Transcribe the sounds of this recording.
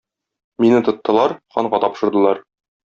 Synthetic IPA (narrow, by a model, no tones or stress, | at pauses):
minɘt̪ŏt̪ːɤ̆lˠɑɾχɒɴɢɑt̪ɒpʃɤ̆ɾd̪ɤ̆lˠɑɾ